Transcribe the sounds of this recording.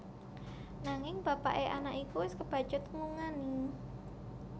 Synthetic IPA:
naŋɪŋb̥apa̰ʔeʔanaʔikuwɪskəb̥a̤̥d͡ʒʊt̪̚ŋuŋani

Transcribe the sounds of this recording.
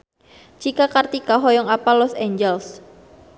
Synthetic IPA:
t͡ʃikakart̪ikaɦɔjɔŋapalɔseɲd͡ʒɛls

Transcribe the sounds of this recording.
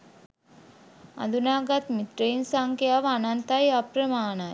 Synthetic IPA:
ɐ̰nd̪unaːɡaːt̪mit̪ɾɐjnsaːŋkejaːʋɐnant̪aːjapɾɐmaːnaː

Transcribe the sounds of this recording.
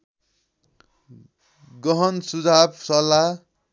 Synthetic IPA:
ɡʌɦʌnsud͡zʱabsʌla

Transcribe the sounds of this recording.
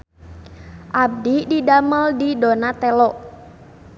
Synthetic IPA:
ʔab̚dididaməldidonat̪ɛlɔʔ

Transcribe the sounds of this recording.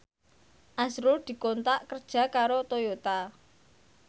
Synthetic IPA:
ʔazɾʊld̪̥i̤kont̪aʔkərd̥ʒ̥ä̤kaɾot̪ojot̪a

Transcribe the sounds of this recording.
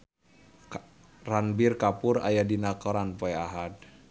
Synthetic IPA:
ranbirkapuɾa̰jadinakɔɾanpoɛaɦad̚

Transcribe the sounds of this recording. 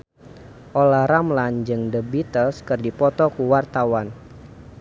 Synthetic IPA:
ʔolaɾamland͡ʒɨŋdəbit̪əlskɨrdipɔt̪ɔkuwart̪awan

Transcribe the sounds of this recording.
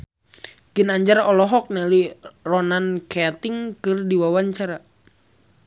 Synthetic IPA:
ɡ̥ənaɲd͡ʒarɔlɔɦɔk̚nɛlirɔnankɛt̪ɪŋkɨrdiwawaɲt͡ʃaɾa

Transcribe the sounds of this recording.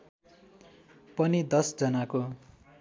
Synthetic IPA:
pʌnid̪ʌsd͡zʌnako

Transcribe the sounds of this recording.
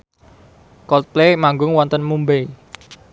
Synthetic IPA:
kɔt̪̚plemaŋɡʊŋwɔnt̪ənmumbe

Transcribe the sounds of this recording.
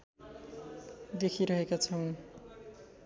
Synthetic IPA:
d̪ekʰiɾʌɦekat͡sʰʌw̃

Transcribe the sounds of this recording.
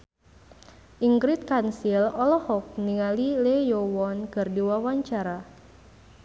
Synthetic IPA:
ʔiŋɡɾit̪̚kansilɔlɔhɔk̚niŋalilejɔwɔnkɨrdiwawaɲt͡ʃaɾa

